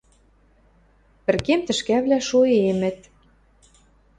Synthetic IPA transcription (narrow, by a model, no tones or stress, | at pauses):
pɘ̆rkemt̪ɘ̆ʃkæβlæʃoemɘ̆t̪̚